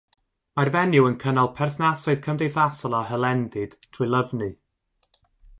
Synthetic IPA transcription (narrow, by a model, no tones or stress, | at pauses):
marvɛnjʊənkʰənalˠpʰɛrθnasʊɨð̥kʰəmdejθasɔlˠaɦəlˠɛndɨd̥tʰr̥ulˠəvnɨ